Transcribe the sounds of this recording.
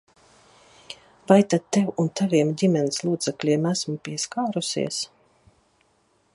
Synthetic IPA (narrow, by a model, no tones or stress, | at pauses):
vajt̪ad̪̚t̪ːɛwunt̪aviɛmdʲimʲɛnslˠuːd̪zɛklʲiɛmæsmupʲiɛskaːɾusḭɛs